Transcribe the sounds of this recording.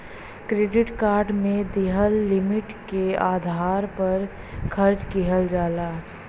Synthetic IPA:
kɾeːɖɪʈkaːɾɖmẽd̪iɦəlːɪmɪʈkeaːd̪ʱaːɾpɐɾ | kʰəɾt͡ʃkiɦəld͡ʒaːlaː

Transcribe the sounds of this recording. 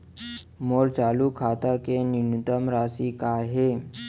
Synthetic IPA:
moɾt͡salukʰat̪akeninut̪əmɾasikaɦe

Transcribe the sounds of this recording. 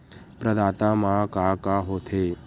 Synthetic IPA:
pɾəd̪aːt̪aːmãkaːkaɦot̪ʰe

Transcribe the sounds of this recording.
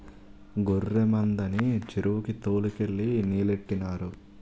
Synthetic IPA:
ɡoɾːemɐnd̪ɐnit͡ʃiɾuʋukit̪oːlikeɭːiniːleʈːinaːɾu

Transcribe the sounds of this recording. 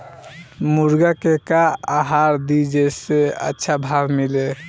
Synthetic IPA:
muɾɡakekaaɦaɾd̪id͡ʒeseə̰tːʃʰabʱabmile

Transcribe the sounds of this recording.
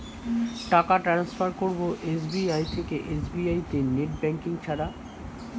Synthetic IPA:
ʈakaʈɾansfʰaɾkoɾboʔesbiajt̪ʰekeʔesbiajt̪eneʈbɛŋkiŋt͡ɕʰaɾa

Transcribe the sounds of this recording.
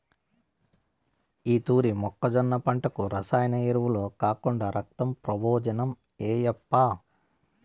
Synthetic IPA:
iːt̪uːɾimɔkːɐd͡ʒɔnːɐpɐɳʈɐkuɾɐsaːjɐnɐiɾuʋulo̞ːkaːkuɳɖaːɾʔɐk̚t̪ɐmpɾɐboːd͡ʒɐnɐm | eːjɐpːaː

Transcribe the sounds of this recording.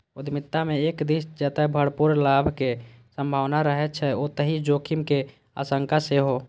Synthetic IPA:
ʊd̪mɪt̪ːamẽeːkd̪isd͡ʒɛːt̪abʱəɽpuɾlaːbʱkesə̃mbʱaːʋnaɾəɦɛt͡ʃʰɛot̪əɦid͡ʒoːkʰimke | a̰ːsəŋkaseɦo

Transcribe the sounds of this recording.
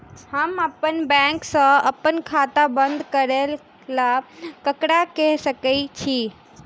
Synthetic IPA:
həməpənbɛ̃ŋksə̃əpənkʰat̪abə̃nd̪ʱkəɾel | lakəkɽakẽɦsəkət͡ʃʰi

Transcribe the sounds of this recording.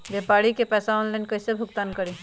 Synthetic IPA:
bjepaːɽikepɛːsaɔːnlaːɪnkəɪsebʱʊkt̪aːnkəɾi

